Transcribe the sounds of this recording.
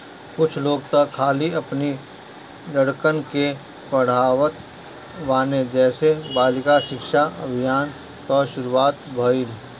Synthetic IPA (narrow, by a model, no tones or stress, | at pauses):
kʊt͡ʃʰloːɡt̪ɐkʰːaːliɐpni | ləɽkənke | pəɽ̤aːwət̪̚ | ʋaːned͡ʒɛːsebaːlɪkaʃɪkʃaɐbʱijaːn | kaʃʊɾuaːt̪bʱəɪl